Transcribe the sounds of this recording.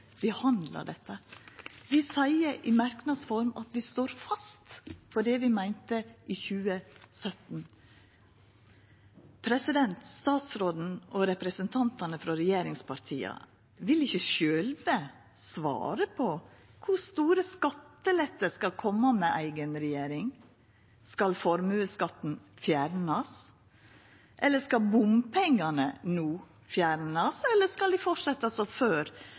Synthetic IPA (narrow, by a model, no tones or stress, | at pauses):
ʋɪhɑnd̪lɑ̰ɖɛt̪ːəʋɪsæɪəʔɪmæɾknɑd̪sfɔɾmɑt̪ʋɪst̪oːɾfɑst̪fɔɖɛʋɪmæɪnt̪əʔɪːçʉːəsœt̪n̩ | pʰɾɛsɪd̪ɛnt̪st̪ɑːt̪sɾoːd̪n̩ɔɾɛpɾɛsənt̪ʰɑnt̪ɑnəfɾɑɾɛjeːɾɪŋspʰɑɾt̪ʰiːɑ̰ | ʋɪlɪçːəʃøːlʋə | sʋɑ̰ːɾəpʰɔkʰʊst̪uːɾəskɑt̪ːəlɛt̪ːəɾskɑlkʰɔmːəmɛʔæɪɡənɾɛjeːɾɪŋ | skɑlfɔɾmʉːəskɑt̪ːn̩fjæːɾnɑs | ʔɛlːəʂkɑlbʊmpʰɛŋːɑnənuː | fjæːɾnɑsɛlːəskɑld̪ɪfɔʈʂɛt̪ːɑsɔføːɾ